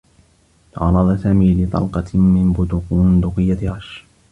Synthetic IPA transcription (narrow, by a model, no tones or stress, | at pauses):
t̪ɑ̰ʕɑɾˤɑd̪ˤɑsaːmiːlɪt̪ˤɑ̰lqɑmɪnbʊd̪ʊqːnd̪ʊqɪjːat̪ʕɑʃ